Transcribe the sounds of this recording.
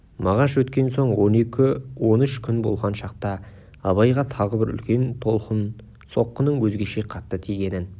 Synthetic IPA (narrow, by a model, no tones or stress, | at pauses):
mɑʁɑʃwɵt̪kʲe̞nso̞ɴwo̞ne̞kʲɪwo̞nɪʃkʲʰʏnbo̞̰lˠʁɑnʃɑq̚t̪ɑ | ɑβɑjʁɑt̪ʰɑʁəbɪɾʏ̰lkʲe̞nt̪ʰolˠqn | so̞qːənəɴwɵzɡʲe̞ʃe̞qʰɑt̪ːət̪ʰijɡʲe̞nɪn